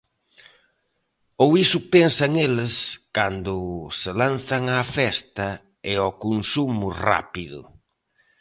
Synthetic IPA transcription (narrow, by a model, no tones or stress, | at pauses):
owisʊpɛnsɐŋelɪskand̪ʊselanθɐŋafɛst̪ɐ | ɪɔkonsumʊra̰piðʊ̰